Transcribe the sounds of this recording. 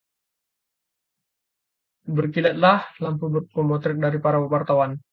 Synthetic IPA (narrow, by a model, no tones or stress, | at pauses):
bərkilɛt̪̚lahlampubərkɔmɔt̪ɾɪt̪̚daɾipaɾawəwart̪awan